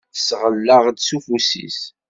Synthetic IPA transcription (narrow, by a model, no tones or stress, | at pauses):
θəsʁəlːaʁd̪sufusḭs